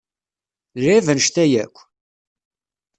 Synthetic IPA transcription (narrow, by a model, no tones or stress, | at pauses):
livənʃt̪æjækʷː